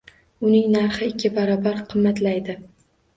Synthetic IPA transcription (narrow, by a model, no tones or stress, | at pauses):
ʊnɪŋnaɾχɪɪkʲʰːɪbaɾɒbaɾqʰɨmːat̪lajd̪ɪ